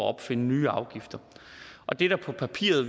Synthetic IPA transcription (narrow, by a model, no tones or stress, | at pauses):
ɒɒ̽b̥fe̝nənyːɑ̈ʊɡ̥ifd̥ɐʔɒ̽d̥e̝ɾæpʰɒ̽pʰæpʰḭːɐð̩ˠ